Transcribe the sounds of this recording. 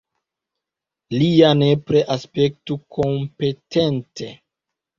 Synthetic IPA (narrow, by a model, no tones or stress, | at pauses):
lianepɾeʔaspe̞k̚tukʰompe̞tʰente̞